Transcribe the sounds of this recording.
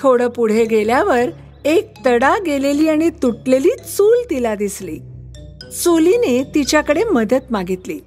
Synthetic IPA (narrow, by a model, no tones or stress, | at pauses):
t̪ʰoɽəpuɽ̤eɡeljaʋəɾ | ek̚t̪əɽaɡeleliːaɽ̃it̪uʈleliːt͡suːlt̪ilad̪islḭː | solinet̪it͡ɕjakəɽeməd̪ət̪maɡit̪li